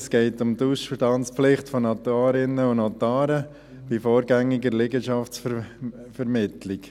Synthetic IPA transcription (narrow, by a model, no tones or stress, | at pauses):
sɡ̥ɛɪtʊmduʃfədɑnt͡spflɪχtfɔnɑt̪uɑːɾɪnəʊnɔt̪ɑːɾə | b̥ifoːɾɡæŋːiɡəɾlɪɡəʃɑft͡sffəɾmɪtlɪk